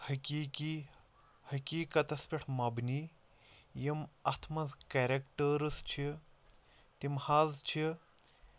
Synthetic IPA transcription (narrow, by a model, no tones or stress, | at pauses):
hɐkiːki | hɐkʲiːkɐt̪ɐspʲiʈʰmɐbni | jimɐt̪ʰmɐzkeɾekʈəɾɨst͡ʃʰi | t̪imhaːzt͡ʃʰi